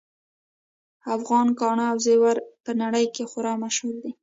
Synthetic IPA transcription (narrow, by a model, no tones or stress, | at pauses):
afɣɑnkɑɳaawzewaɾpənaɽəjkexʊɾɑmaʃhuld̪i